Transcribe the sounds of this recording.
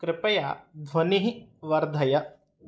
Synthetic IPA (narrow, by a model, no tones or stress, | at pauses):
kɾɪpɐja̰d̪ʱʋɐniɦiʋɐɾd̪ʱɐjɐ